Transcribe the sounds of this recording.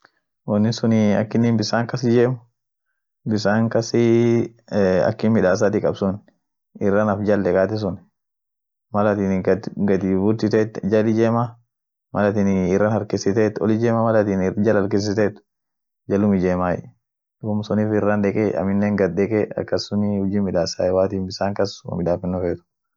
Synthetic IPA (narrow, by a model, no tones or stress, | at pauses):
wɔnːɪsʊniɐ̰kːɪnːinbɪsaːŋkɐsɪd͡ʒeːmʊ | bɪs̬aːŋkɐsɪ | ɐ̰kːɪnmɪᶑaːs̬aːt̪ɪkʼɐbsʊn | ɪrːɐnɐfd͡ʒɐldɛkʼaːt̪̬ɪs̬ʊn | mɐlɐt̪inɡɐd̪ibʊɾt̪ɪt̪eːt̪d͡ʒɐlɪd͡ʒeːma | mɐlɐt̪inɪrːɐnhɐɾkɪsɪt̪eːt̪ɔ̰lɪd͡ʒeːmamɐlɐt̪iːnd͡ʒɐlhɐɾkɪs̬ɪt̪eːt̪ʊ̥ | d͡ʒɐlʊmɪd͡ʒeːmaːjɛ̰ | dʊʊmsʊniːfɪrːand̪ɛkʼɛɐ̰mɪnːeːŋɡɐd̪̚d̪ɛkʼɛɐ̰kːɐsːʊnɪhʊd͡ʒiːmɪᶑaːsa̰ːjɛwaːt̪iːnbɪsaːŋkɐswɐ̰mɪᶑaːfɪnːɔfeːt̪ʊ̥